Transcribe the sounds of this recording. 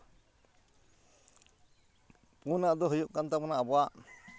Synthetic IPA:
punaʔd̪ɔɦujuʔkant̪apɔnaʔabɔaʔ

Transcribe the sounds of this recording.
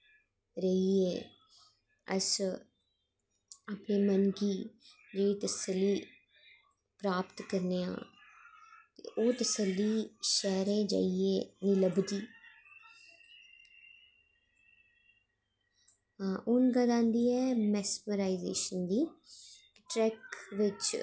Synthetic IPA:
ɾəiːḛː | ə̰s | aːpneːmənɡiːd͡ʒeːɽiːt̪əsəlːiː | pɾaːpt̪kəɾneːã̰ː | t̪ḛʔoːt̪əsəlːiːʃɛːɾẽːd͡ʒa̰ːieːnɪləbd̪iː | ʊnɡ̪aːd̪ãːnd̪iːɛːmɛːsməɾaːizḛːʃənd̪iːkɪ̥ʈɾɛːkʋɪt͡ʃ

